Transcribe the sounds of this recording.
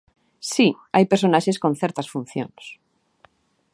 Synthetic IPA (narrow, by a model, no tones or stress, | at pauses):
si | ajpeɾsonaʃeskõnθɛɾt̪ɐsfun̟θjo̰ns